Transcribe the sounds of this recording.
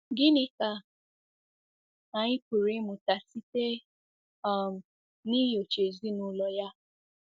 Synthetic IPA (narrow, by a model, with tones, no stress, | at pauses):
ɡɪ˦nɪ˦ka˨ | a˨ɲɪ˦ku˨ɾi˨˦mʊ̃˨ta˨si˦te˦ | a˦˨m̩˨ | ni˦jo˨t͡ʃe˨zi˦nʊ˦lɔ˨ja˦